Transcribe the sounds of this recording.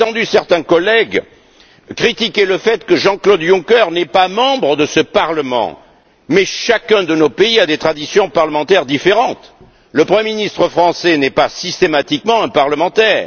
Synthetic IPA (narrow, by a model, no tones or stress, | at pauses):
t̪ɑ̃d̪ysɛʁt̪ɛ̃kɔlɛɡ | kχit̪ikʲeləfɛt̪kəʒɑ̃klod̪jɔ̃kœʁnɛpamɑ̃bʁəd̪əsəpaʁləmɑ̰̃ | mɛʃakɛ̃d̪ənopeiad̪et̪χad̪isjɔ̃paʁləmɑ̃t̪ɛʁd̪ifeʁɑ̃t̪ | ləpχəmjeminist̪χəfχɑ̃sɛnɛpasist̪emat̪ikmɑ̃ɛ̃paʁləmɑ̃t̪ɛːʁ